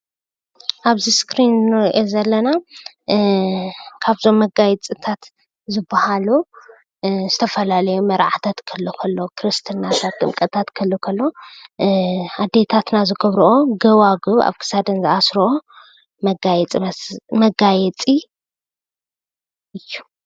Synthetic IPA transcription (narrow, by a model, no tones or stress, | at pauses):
ʔaβziskɾinnɨɾʔezɐlːɐna | kʰaβzo̞mːɐɡajɛt͡sʼɨt̪ʰat̪ | zɨbːahalu | zɨt̪ʰɐfɐlalɐjumɐɾʕat̪ʰat̪kʰɐlːokʰɐlːokʰɾɨst̪ʰɨnat̪ʰat̪ːʼɨmkʼɐt̪ʰat̪kʰɐlːokʰɐlːo̞ | ad̪ːe̞t̪ʰat̪nazɨɡɐβɾuʔoɡɐwaɡuβa̰βkʰɨ̥sad̪ɐnzɨʔasɾoo | mɐɡajɛt͡sʼimɐɡajɛt͡sʼi | ʔɨjːu